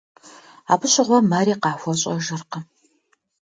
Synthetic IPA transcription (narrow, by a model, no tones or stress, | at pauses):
a̰ːpʰɨɕʼɪʁʷɔmaːɾiːqɑːxʷɔɕʼɐ̰ʒɨrqə